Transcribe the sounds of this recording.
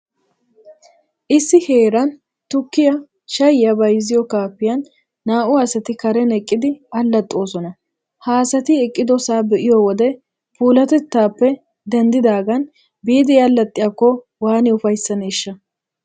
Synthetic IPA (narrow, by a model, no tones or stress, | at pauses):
ʔɪsːɪhe̞ːɾɐn | t̪ʊkːɪjɐ | ʃɐjjɐbɐjzɪjɔkaːpːɪjɐnː | aːʔʊasɐt̪ɪkɐɾɛnɛkʼːɪd̪ɪɐlːɐt̪ʼːo̞ːsɔnɐ | haːsɐt̪ɪɛkʼːɪd̪ɔsaːbɛʔɪjɔwɔd̪ɛ | puːlɐt̪ɛt̪ːaːpːɛ | d̪ɐnd̪ɪd̪aːɡɐn | biːd̪ɪjɐlːɐt̪ʼːɪjɐkːɔ | waːnɪʊfɐjsːɐneːʃːɐ